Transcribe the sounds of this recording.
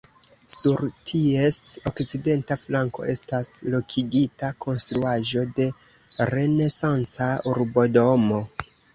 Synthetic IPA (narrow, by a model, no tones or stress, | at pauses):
suɾtʰie̞so̞kt͡side̞ntaflaŋko̞̰ʔe̞staslo̞kʰiɡitakʰo̞nst̪ɾuaʒo̞de̞ | ɾe̞ne̞sant͡sauɾbo̞do̞mo̞